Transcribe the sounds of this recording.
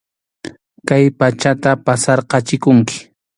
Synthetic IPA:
kajpat͡ʃat̪apasɑɾqɑt͡ʃɪkʊŋkɪ̥

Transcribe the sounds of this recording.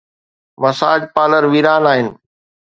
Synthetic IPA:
mɐsaːd͡ʑpaːləɾʋiːɾaːnaːɦɪnɪ̆

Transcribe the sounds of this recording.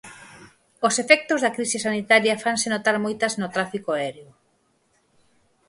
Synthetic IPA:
osefɛk̚t̪ozðɐkɾisisanit̪aɾjɐfansenot̪aɾmojt̪ɐznot̪ɾafikoaɛɾeʊ

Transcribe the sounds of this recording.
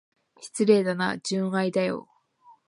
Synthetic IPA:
çi̥t͡sɨɾe̞ːd̪ana̰d͡ʑɨ̃aid̪ajo̰

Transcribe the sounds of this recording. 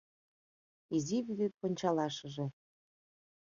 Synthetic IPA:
iziβyd̪it̪̚ponʲt͡ɕɑlɑʃə̆ʒĕ

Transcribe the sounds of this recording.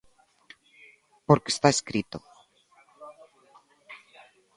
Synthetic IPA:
poɾke̥st̪aeskɾit̪o

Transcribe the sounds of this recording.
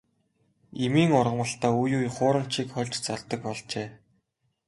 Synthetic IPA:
emiːŋʊrʁə̆mə̆ɬt̪aːujuːjχʊːɾə̆mt͡ɕiːkχœɮʲt͡ɕt͡saɮt̪ə̆k̚pɔɮt͡ɕeː

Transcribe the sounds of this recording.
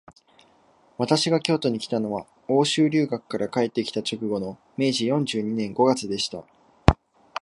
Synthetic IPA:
βat̪aɕiɡakʲo̞ːt̪o̞ɲ̟ikʲi̥t̪ano̞βa | o̞ːɕɨːɾʲɨːɡakɯ̥kːaɾakae̞t̪ːe̞kʲi̥t̪at͡ɕo̞kɯ̟ɡo̞no̞ | me̞ːʑijõ̞ɲ̟d͡ʑɨːɲ̟inẽ̞ŋɡo̞ɡat͡sɨd̪e̞ɕi̥t̪a

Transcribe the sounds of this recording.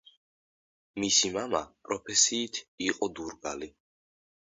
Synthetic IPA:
misimamapʼɾɔpʰɛsiːt̪ʰiqʼɔd̪uɾɡa̰li

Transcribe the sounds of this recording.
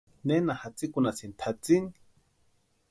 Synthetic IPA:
nenahat͡sikunasint̪ʰat͡sini̥

